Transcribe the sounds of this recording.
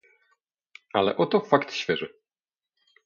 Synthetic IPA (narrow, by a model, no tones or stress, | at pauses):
alɛ̰ʔɔt̪ɔfakt̪ɕfʲjɛʐɨ